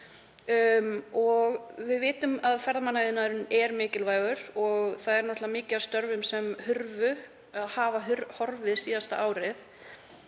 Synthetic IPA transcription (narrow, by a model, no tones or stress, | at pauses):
mɔɣvɪðvɪːt̪ʏmaðfɛɾðamanajðɪnaðɾʏnɛɾmɪːcɪlvaːjɣʏɾ̥ɔɣθaðɛɾnɔht̪lamɪːcɪast̪œɾvʏmsɛmhʏɾvʏ | aðhaːvaɦʏɾhɔɾvɪðsiːðast̪a̰ʔaːwɾɪθ